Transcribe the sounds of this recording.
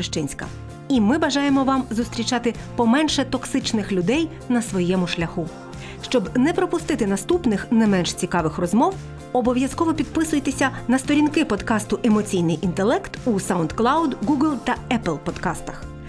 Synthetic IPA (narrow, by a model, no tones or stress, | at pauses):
ʃt͡ʃɪnʲsʲkɐ̰ | imɪbɐʒɑjemɔʋɑmzʊst̪ɾʲit͡ʃɑt̪ɪ | pɔmɛnʃɛt̪ɔksɪt͡ʃnɪxlʲʊd̪ɛj | nɐsʋɔjɛmʊʃlʲɐxu | ʃt͡ʃɔbnɛpɾɔpʊst̪ɪt̪ɪnɐst̪upnɪxnɛmɛnʃt͡sʲikɑʋɪxrɔzmɔw | ɔbɔʋʲjɐskɔʋɔpʲid̪̚pɪsʊjet̪esʲɐnɐst̪ɔɾʲinkɪpɔd̪kɑst̪ʊʔemɔt͡sʲijnɪjʔint̪elˠɛkt̪usawnd̪klˠɑwd̪ɡuɡlˠt̪ɐɛplˠpɔd̪̥kɑst̪ɐ̥x